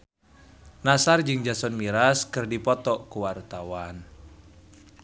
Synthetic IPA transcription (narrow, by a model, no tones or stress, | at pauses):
nasard͡ʒɨŋd͡ʒasɔnmiɾaskɨrdipɔt̪ɔkuwart̪awan